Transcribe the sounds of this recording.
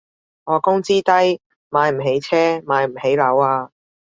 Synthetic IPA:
ŋɔː˨˧kʊ˥ŋt͡siː˥t̪ɐ˥j | maː˨˧jm̩˨˩ɦe˨˥jt͡sʰɛː˥maː˨˧jm̩˨˩he˨˥jlɐ˨˥waː˧

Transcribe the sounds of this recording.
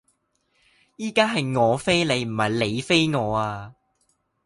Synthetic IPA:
jiː˥kaː˥ɦɐ˨jŋɔː˨˧fe˥jle˨˧jm̩˨˩hɐ˨jle˨˧jfe˥jŋɔː˨˧aː˧

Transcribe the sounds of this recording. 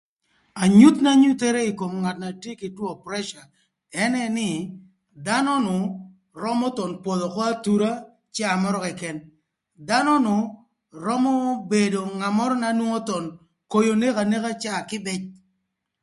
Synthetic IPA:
a˨ɲu˦t̪na˦ɲu˦t̪e˦ɾe˦i˨ko˨mŋa˨t̚na˨tje˦kɪ˨twɔ˦pɾɛ˦ʃa˨ | ɛ˦nɛ˦nɪ˦ | da˦nɔ˦nʊ˨ | ɾɔ˦mɔ˦t̪ɔ˨npo˨ðo˨kɔ˦a˦t̪u˦ɾa˦ | t͡ʃa˦a˨mɔ˦ɾɔ˦kɛ˨kɛ˨n | da˦nɔ˦nʊ˨ | ɾɔ˦mɔ˦be˨do˨ŋa˨mɔ˦ɾɔ˦na˨˦nwo˦ŋo˦t̪ɔ˨n | ko˦jo˨ne˦ka˨ne˦ka˦t͡ʃa˦˨kɪ˦bɪ˦t͡ʃ

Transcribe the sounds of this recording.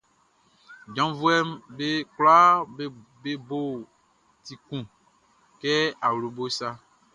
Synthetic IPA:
d͡ʒɔ̃˨˦vu˦ɛ˦mbe˦kla˦ | be˦bo˦˨ | ti˨kũ˦˨ | kɛ˦a˨wlu˨bo˦sa˦

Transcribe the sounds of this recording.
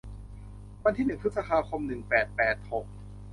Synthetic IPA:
wa˧nt̪ʰiː˥˩nɯ˨˩ŋpʰɯ˦˥sa˧pʰaː˧kʰo˧mnɯ˨˩ŋpɛː˨˩t̪̚pɛː˨˩t̪̚ho˨˩k̚

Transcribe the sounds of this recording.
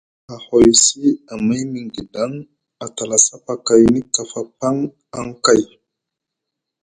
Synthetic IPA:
a˨ho˨jsi˦a˨ma˦jmi˨ŋɡi˨da˦ŋ | a˨ta˨la˨sa˦pa˨ka˨jni˦ka˨fa˦pa˦ŋ | a˦ŋka˦j

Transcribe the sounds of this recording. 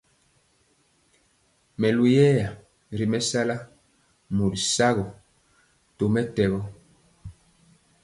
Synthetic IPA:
mɛ˨lu˨jɛː˦ja˨ | ɾi˨mɛ˦sa˦la˦ | mu˨dsa˦ɣɔ˨ | to˨mɛ˦tɛ˨ɣɔ˦

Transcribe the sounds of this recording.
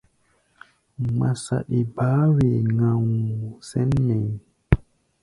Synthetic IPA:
ma˨sa̰˨ɗi˨baː˨˦we˨ŋa˨wsɛ˦nːɛ˨j

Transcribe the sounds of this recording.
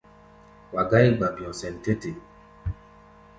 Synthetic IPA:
wa˨ɡa˦i˦ɡ͡ba˨pi˨ɔ̃˨sɛ˨n˨te˦te˨

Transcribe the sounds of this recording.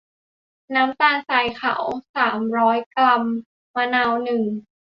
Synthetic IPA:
naː˦˥mt̪aː˧ŋsaː˨˧˩jkʰa̰˨˩˦wsaː˩˦mɾɔː˦˥jkla˧mː | a˧naː˧wnɯ˨˩ŋ

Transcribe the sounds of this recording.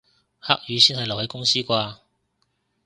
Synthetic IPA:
haː˥k̚jyː˨˥siː˥nhɐ˨jlɐ˨˩whe˨˥jkʊ˥ŋsiː˥kʷaː˧

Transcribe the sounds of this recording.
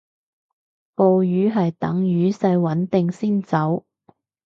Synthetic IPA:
po˧wjyː˨˥ɦɐ˨jt̪ɐ˨˥ŋjyː˨˥sɐ˧jwɐ˨˥nt̪ɪ˨ŋsiː˥nt͡sɐ˨˥w

